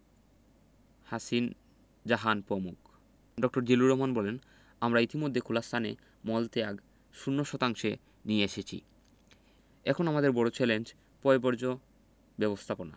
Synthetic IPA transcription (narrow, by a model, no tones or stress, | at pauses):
hasin | d͡ʑaɦanpɾomuk | ɖɔk̚ʈoɾd͡ʑeluɾoɦmanbɔlen | amɾait̪imod̪ʱːekʰulast̪ʰane | mɔlt̪eaɡ | ʃunːoʃɔt̪aŋʃe | nieeʃet͡ɕʰḭ | ɛkʰonamad̪eɾbɔɽot͡ɕɛlend͡ʑ | pɔebɔɾd͡ʑo | bɛbost̪ʰapona̰